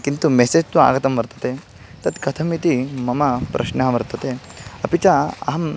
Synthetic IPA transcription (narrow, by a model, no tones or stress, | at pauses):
kint̪umeseːd͡ʒt̪ua̰ːɡɐt̪ɐmʋɐɾt̪ɐ̥t̪e | t̪ɐt̪kɐt̪ʰɐmit̪imɐmɐpɾʔɐ̰ʃnɐɦʋɐɾt̪ɐt̪eɐpit͡ʃaɐ̰ɦɐm